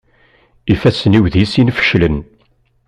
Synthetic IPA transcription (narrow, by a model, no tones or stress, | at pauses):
ifæsəniwðisinfə̥ʃlən